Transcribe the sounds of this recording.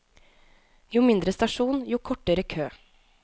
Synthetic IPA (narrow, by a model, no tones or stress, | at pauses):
juːmɪnd̪ɾəst̪ɑʂuːnjuːkʰɔʈəɾəkʰøː